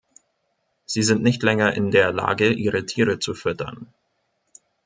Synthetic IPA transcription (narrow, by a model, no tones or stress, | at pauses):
z̥iːzɪntnɪçtlɛŋɐʔɪndeːɐla̰ːɡəʔiːʁətʰiːʁət͡sufʏtʰɐ̰n